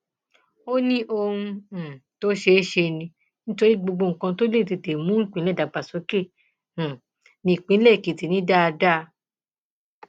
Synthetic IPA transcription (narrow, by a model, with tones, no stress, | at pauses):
o˦nĩ˦ʔo˧hũ˧˨to˦ʃe˧˦ʃe˧nĩ˧ | nĩ˦to˧ɾi˦ɡ͡bo˧ɡ͡bo˧ŋ̩˨kã˧to˦le˦˨ti˧˨te˨mũ˦ŋ̩˦k͡pĩ˨˦lɛ˦˨da˨ɡ͡ba˨so˨˦kẽ˦˨ | nĩ˧˨i˨k͡pĩ˨˦lɛ˦˨ki˨ti˨nĩ˦da˦˧da˦˧